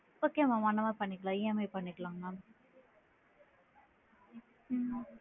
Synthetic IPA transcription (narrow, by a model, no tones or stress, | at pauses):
oːkemãʋɐnːɐmaːpɐɳːɪkːɐɭãːɪemeːpɐɳːɪkːɭaːŋɡɐ